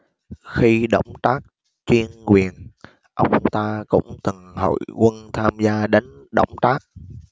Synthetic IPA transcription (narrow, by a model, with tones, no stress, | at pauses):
xi˧ɗə̰˧˩wŋ͡mt̪aː˦˥k̚ | t͡ɕwi˧ənkwi˨˩ən | ʔə˧wŋ͡mt̪aː˧kʊ̰˧˥ŋ͡mt̪ɨ˨˩ŋho̰˧˨jkwə˧nt̪ʰaː˧mzaː˧ɗe˨˦nɗə̰˧˩wŋ͡mt̪aː˦˥k̚